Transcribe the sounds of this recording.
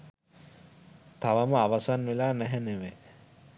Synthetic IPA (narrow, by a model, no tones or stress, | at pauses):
t̪aʋaməaʋasanʋelaːnæɦɛneʋe